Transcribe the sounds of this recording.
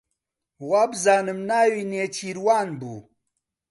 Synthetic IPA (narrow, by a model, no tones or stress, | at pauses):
wabzaːnɨmnaːwineːt͡ɕiɾwaːnbṵ